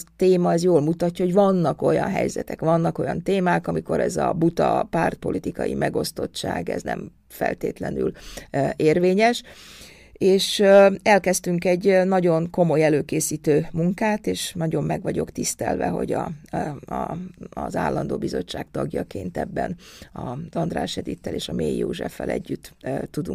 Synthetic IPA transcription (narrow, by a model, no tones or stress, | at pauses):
t̪eːmɒɛzjoːlmut̪ɒcːɒhoɟʋɒnːɒko̞jɒ̰nɦɛ̰jzɛt̪ɛkʋɒnːɒko̞jɒnt̪eːmaːkɒmiko̞ɾɛzɒbut̪ɒpaːrt̪̚po̞lit̪ikɒjḭmʔɛɡo̞st̪ot͡ʃːaːɡɛ̰znɛ̰m | fɛ̰lt̪eːt̪lɛnyl | eːrveːɲɛʃ | eːʃɛlkɛst̪yŋkɛɟnɒɟo̞nko̞mo̞jɛløːkeːsiːt̪øːmuŋkaːt̪eːʃnɒɟo̞mːɛɡʋɒɟo̞kt̪ist̪ɛlvɛɦo̞̰ɟɒ | zaːlːɒnd̪oːbizo̞t͡ʃːaːkt̪ɒɡjɒkeːnt̪ɛbːɛnɒzɒnd̪raːʃjɛd̪it̪ːɛleːʃɒmeːjːoːʒɛfːɛlʔɛ̰ɟːyt̪ːt̪ːud̪uŋ